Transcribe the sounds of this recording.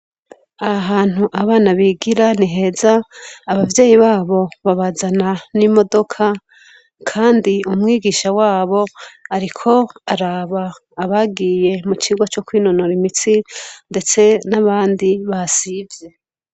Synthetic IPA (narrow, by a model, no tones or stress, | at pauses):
aaɦaːn̥uʔaβaːnaβiːɡiɾaniɦe̞ːzaːβavje̞ːjiβaːβo̞βaβazananimo̞do̞kʰa | kʰaːndiumŋiːɡiːʃawaːβo̞aɾikʰo̞aɾaːβaː | βaɡiːje̞mut͡ʃiɡwat͡ʃo̞kwiːno̞noɾimit͡sinde̞t͡se̞naβaːndiβasiːvje̞